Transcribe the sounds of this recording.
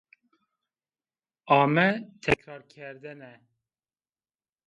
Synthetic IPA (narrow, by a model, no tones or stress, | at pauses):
ɑːmɛt̪ʰɛkɾɑːɾkʲʰɛɾd̪ɛnɛ